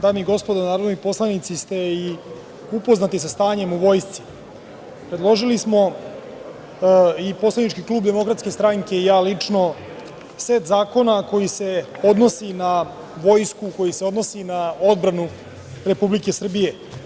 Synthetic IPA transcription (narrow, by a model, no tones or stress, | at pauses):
d̪aːmiɡo̞spod̪anaːɾod̪nojpo̞slˠanit̪sist̪e̞i | upo̞znat̪isast̪aːɲe̞muʋo̞jst̪si̥ | pɾed̪lˠo̞ʒilismo̞ | ipo̞slˠanit͡ʃkiklˠuːbd̪e̞mo̞kɾat̪ske̞st̪ɾaŋke̞ijaːlit͡ʂno̞ | seːt̪zaːko̞nako̞jise̞ | o̞d̪no̞sina | ʋo̞jskuko̞jise̞o̞d̪no̞sinao̞d̪bɾanu | ɾe̞publike̞sr̩bije̞